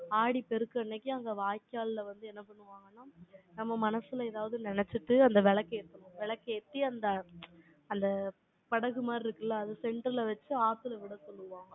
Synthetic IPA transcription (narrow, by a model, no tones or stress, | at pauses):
aːɽipɛɾɯkːɯɐnːekːjĩɐŋɡɐʋaːjkːaːllɐʋɐnd̪ɯɛnːɐpɐɳːɯʋaːŋɡɐnːaːnɐmːɐmɐnɐsɯlɐɛðaːʋɐðɯnɪnɛt͡ʃːɯʈːɯɐnd̪ɐʋɛɭɐkːɐɛt̪ːɐmõʋɛɭɐkːɐɛt̪ːiɐnd̪ɐ | ɐnd̪ɐ | pɐɽɐɣɯmaːd̪ɾɪɾɯkːɯlːɐːðɯsɛɳɖɾɪlɐʋɐt͡ʃːɯaːt̪ːɯlɐʋɪɽɐsɔlːɯʋãːŋɡɐ